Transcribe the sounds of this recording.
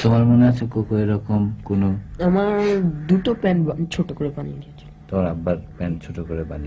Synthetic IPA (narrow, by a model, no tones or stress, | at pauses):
t̪omaɾmoneat͡ɕʰekokoeɾɔkomkonoamaɾd̪uʈopɛnt͡ʃʰoʈokoɾepanḭjeɡiet͡ʃʰɔ̥t̪omaɾabːaɾpɛnt͡ʃʰoʈokoɾepani